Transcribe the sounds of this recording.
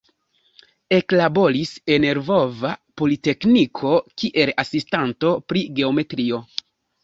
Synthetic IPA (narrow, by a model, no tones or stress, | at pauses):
e̞klabo̞ɾise̞ne̞ɾvo̞vapo̞lite̞knikʰo̞kiʔe̞lasistanto̞pɾiɡe̞o̞me̞tɾio̞